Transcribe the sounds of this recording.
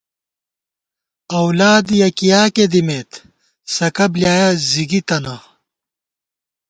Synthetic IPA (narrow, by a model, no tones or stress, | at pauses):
ɐwlaːd̪jɐkijaːked̪imeːt̪ | sɐkɐbljaːjɐziɡit̪ɐnɐ